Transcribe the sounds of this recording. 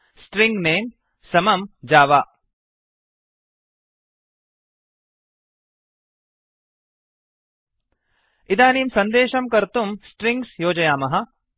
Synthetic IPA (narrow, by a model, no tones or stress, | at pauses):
sʈɾĩŋɡneːm | sɐmɐmd͡ʒaːʋaː | id̪aːniːmsɐnd̪eːʃɐmkɐɾt̪umsʈɾiŋɡsjoːd͡ʒɐjaːmɐɦɐ̆